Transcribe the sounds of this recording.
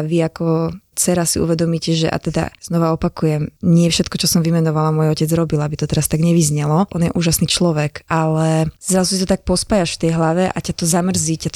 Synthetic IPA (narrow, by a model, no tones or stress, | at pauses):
ʋiakɔt͡sɛɾasiʔṵʋɛd̪ɔmiːcɛʒɛ̰ʔa̰t̪ɛd̪a̰z̥nɔʋaɔpakujɛmɲɪɛfʃɛt̪̚kɔt͡ʃɔsɔmʋimɛnɔʋalamɔjɔcɛd͡zɾɔbilabit̪ɔt̪ɛɾast̪aɡɲɛʋizɲɛlɔʔɔnjɛʔuːʒasniːt͡ʃlɔʋɛkalɛzɾazusit̪ɔt̪ak̚pɔspajaʃft̪ɛjɦlaʋɛʔa̰cat̪ɔzamr̩zicat̪